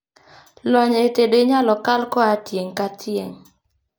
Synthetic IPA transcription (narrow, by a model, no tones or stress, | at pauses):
lɔɲetedeɲalɔkalkɔatjeŋkatʰjeŋ